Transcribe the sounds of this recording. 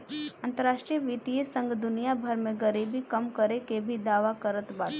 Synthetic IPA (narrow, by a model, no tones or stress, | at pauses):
ɐ̃nt̪əɾaːʃʈɾijəʋit̪iesə̃ŋɡd̪ʊnijabʱəɾmẽɡəɾiːbʱikɐmkəɾekebʱid̪aːʋakəɾət̪baːt̪